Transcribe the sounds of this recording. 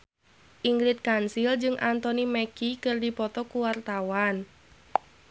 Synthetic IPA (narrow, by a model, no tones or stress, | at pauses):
ʔiŋɡɾit̪̚kansild͡ʒɨŋʔant̪ɔnimɛkikərdipɔt̪ɔkuwart̪awan